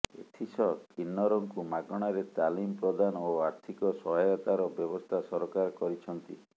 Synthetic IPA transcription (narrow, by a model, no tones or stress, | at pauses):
ḛt̪ʰisɔkinːɔɾɔŋkumaɡɔɽ̃aɾet̪alimpɾɔd̪anoaɾt̪ʰikɔsɔɦɔjɔt̪aɾɔbjɔbɔst̪ʰasɔɾɔkaɾkɔɾit͡ʃʰɔnt̪i